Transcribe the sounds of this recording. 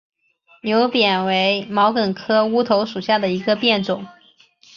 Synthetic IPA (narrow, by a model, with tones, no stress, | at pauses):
njo˧˥ʊpjɛ˨˩nwe˧˥ɪmɑ˧˥ʊkə˨˩nkʰɤ˥u˥t̪ʰo˧˥ʊʂu˨˩ɕja˥˩d̪ə˩i˧˥ɡə˧pjɛ˥˩nʈ͡ʂʊ˨˩˦ŋ